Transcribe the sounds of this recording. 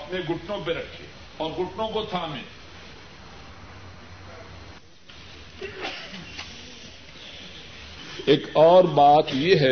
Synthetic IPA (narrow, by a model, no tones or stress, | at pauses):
ɐpneɡʊʈnõpeɾɐkʰːḛ | ɔːɾɡʊʈnõkosaːmɪ̰l | eːkɔːɾbaːt̪jeɦɛ